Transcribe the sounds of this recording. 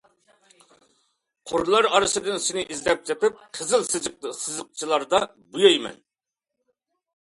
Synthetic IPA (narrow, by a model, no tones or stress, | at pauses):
qʰoɾlˠɑɾɑɾɨʃɨd̪ɨnsɪnɪʔizlɛp̚t͡ʃʰɛt̪ɪp̚qʰəzɨlˠsɨsɨzɨq̚t͡ʃʰilˠɑɾd̪ɑ | bujɑjmɛ̰n